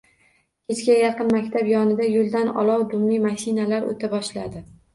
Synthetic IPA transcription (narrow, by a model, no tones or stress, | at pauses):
kʲʰe̞t͡ʃkʲajɑqɨnmakʲt̪ʰabjɒnɪd̪ajolˠd̪anɒ̰lˠɒwd̪ʊmlimaʃinalaɾo̰t̪ʰabɒʃlad̪ɪ